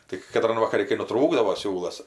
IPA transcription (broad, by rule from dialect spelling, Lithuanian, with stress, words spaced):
tʲɪk kɐˈtrɐn ʋɐkɐˈrʲɪ kɐɪ nʊˈtruːɡdɐʋoː ˈsʲuːlˠɐs